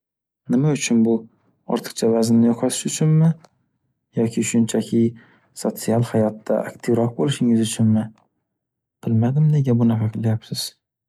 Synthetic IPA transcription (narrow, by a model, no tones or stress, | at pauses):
nɪmaʊt͡ʃʰʊnbʊ | ɒ̰ɾt̪ʰɨ̥qt͡ʃʰavazɪnnɪjɒqʰɑt̪ʰɪ̥ʃʊt͡ʃʰʊnmɪ | jɒkʲʰɪʃʊnt͡ʃʰakʲʰɪ | sot̪sialˠhajɒt̪ːa̰a̰k̚ʲt̪ʰɪvɾɒq̚bolɪʃɪŋɪzʊt͡ʃʰʊnmɪ | b̥ɪlmad̪ɪmd̪eɡʲabʊnaqʰɑqʰɨlajapsɪz̥